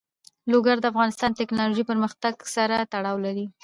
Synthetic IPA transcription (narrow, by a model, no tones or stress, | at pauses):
loɡaɾd̪əafɣɑnɪst̪ɑnt̪ɪknɑloʒipəɾməxt̪aɡsaɾat̪aɽɑwlaɾi